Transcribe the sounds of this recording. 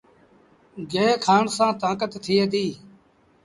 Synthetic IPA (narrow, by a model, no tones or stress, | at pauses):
ɡeːkʰaːɳsãːt̪ãːkət̪ːʰɪːeːd̪iː